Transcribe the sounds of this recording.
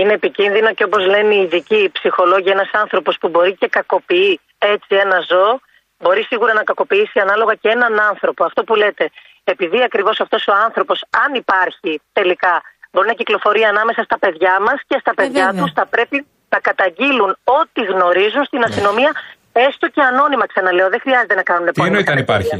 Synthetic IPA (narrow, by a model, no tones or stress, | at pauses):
ine̞ːpicinðino̞ceo̞po̞zle̞niːðicipsixo̞lo̞ʝienɐsɐnθɾo̞po̞spubo̞ɾice̞kɐko̞pii | e̞t͡sie̞nɐzo̞ | bo̞ɾisiɣuɾɐnɐkɐko̞piisiɐnɐlo̞ɣɐcee̞nɐnɐnθɾo̞po̞ɐft̪o̞pule̞t̪e̞ | epiðiɐkɾivo̞sɐft̪o̞so̞ɐnθɾo̞po̞sɐnipɐɾçit̪e̞likɐbo̞ɾinɐciklo̞fo̞ɾiɐːnɐme̞sɐst̪ɐpe̞ðʝɐmɐsce̞st̪ɐpe̞ðʝɐt̪usθɐpɾe̞pi | nɐkɐt̪ɐɲɟiluno̞t̪iɣno̞ɾizunst̪inɐst̪ino̞miɐ | e̞st̪o̞ce̞ɐno̞nimɐksɐnɐle̞o̞ðexɾiɐze̞t̪e̞nɐkɐnunep̪nɐipɐɾɐ